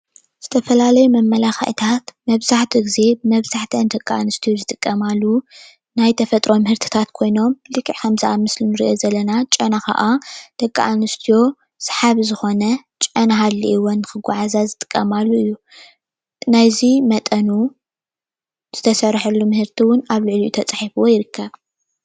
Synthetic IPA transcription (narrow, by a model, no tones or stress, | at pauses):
z̥ɨt̪ʰɐfɐlalɐjumɐmːɐlaxɐ̰ʕt̪ʰat̪mɐβzaħt̪ʰiɡize̞bɨmɐβzaħt̪ʰɐnd̪ɐkʼːaʔanɨst̪ʰijozɨt̪ʼɨkʼːɐmalːu | najt̪ʰɐfɐt̪ʼɾo̞mɨhɨɾt̪ʰi̥t̪ʰat̪kʰo̞jno̞mlɨkʼːiʕkɐmzɨʔamɨslinɨɾiʔo̞zɐlːɐnat͡ʃʼɐnakʰa̰ʔad̪̥ɐkʼːaʔanɨst̪ʰijo̞ | sḁħaβzɨxo̞nɐ | t͡ʃʼɐnaɦalːiʔiwonːɨxɨɡʷaʕazazɨt̪ʼɨ̥kʼːɐmalːuɨjːu | najzimɐt̪ʼɐnu | z̥ɨt̪ʰɐsɐɾħɐlːumɨhɨɾt̪ʰiwʊnaβlɨʕlijut̪ʰɐt͡sʼaħifuwojɪɾɨkʰːɐβ